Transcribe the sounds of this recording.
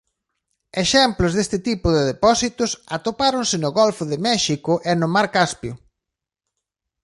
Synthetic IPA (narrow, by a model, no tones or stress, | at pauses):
eʃɛmploʊzðest̪ɪt̪ipʊðɪðepɔsit̪ʊsat̪opaɾonsɪnʊɣolfʊðɪmɛʃikʊʔɛnʊmaɾkaspjʊ